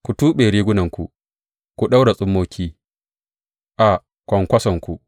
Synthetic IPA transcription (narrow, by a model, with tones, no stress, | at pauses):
ku˨tuː˦ɓeː˨ɾiː˦ɡʷʊ˦nɐ˨ŋkʷṵ˨ | kʷu˨ɗa˦wɽa˨sʼʊ˦mːoː˦kʲʰiː˦ | ʔa˨ | kʷɔ˨ŋkʷɐ˦sɐ˨ŋkʷu˨